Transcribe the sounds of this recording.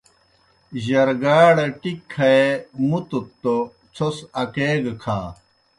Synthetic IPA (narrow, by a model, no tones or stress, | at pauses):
ʑɐɾɡaːɽɐʈikʰːɐemut̪ut̪ːo | t͡sʰosɐkeːɡkʰa̰ː